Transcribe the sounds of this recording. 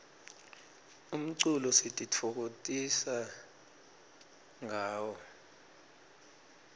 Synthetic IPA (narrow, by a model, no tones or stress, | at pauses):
um̩ǀulɔsitʼitʰok̬otʼisa | ŋaːwɔ